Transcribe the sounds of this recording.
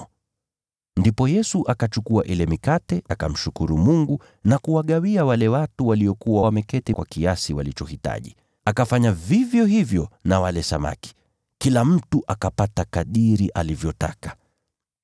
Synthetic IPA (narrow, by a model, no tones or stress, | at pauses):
ndipɔjɛsuʔakat͡ʃukuaʔilɛmikatɛʔaka̰m̩ʃukuɾumuŋɡu | nakuwaɠawiawalɛwatuwaliɔkuwamɛkɛtɛkwa̰kiasiwalit͡ʃɔhita̰ʄi | akafaɲavivjɔhivjɔnawalɛsama̰ki̥ | kilam̩tuʔakapatakaɗiɾiʔalivjɔta̰kḁ